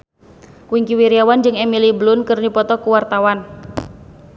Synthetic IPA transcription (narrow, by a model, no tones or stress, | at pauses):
kwiŋkiwiɾiawand͡ʒɨŋɛmiliblʊnkərnipɔt̪ɔkuwart̪awan